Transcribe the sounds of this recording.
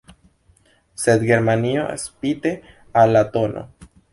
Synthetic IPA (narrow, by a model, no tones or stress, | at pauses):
sed̪ɡe̞ɾmanioḛspit̪e | alːat̪onʔo̰